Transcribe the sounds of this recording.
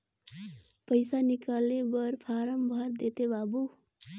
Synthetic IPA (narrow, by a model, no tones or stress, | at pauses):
pəjsanikalebʌɾpʰaɾəmbʱʌɾd̪et̪ebabu